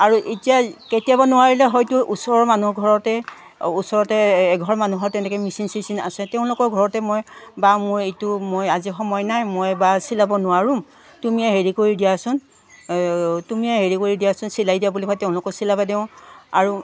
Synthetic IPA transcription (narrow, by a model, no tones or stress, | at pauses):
aɹuʔetijaketiabɔnʊwaɹilɛɦɔjtʊʔusɔɹɔɹmanuhɡʱɔɹɔtɛ | usɔɹɔtɛːɡʱɔɹmanuɦɔɹtɛnɛkɛmisinsisina̰sɛtɛʊ̃lʊkɔɹɡʱɔɹɔtɛmojbamʊɹejtʊmojazixɔmɔjnajmojbasilabɔnʊwaɹʊm | tumijaɦeɹikoɹidijasʊn | tumijaɦeɹikoɹidijasʊnsilajdijabulibʰajtɛʊ̃lʊkɔsilabadeʊ̃aɹu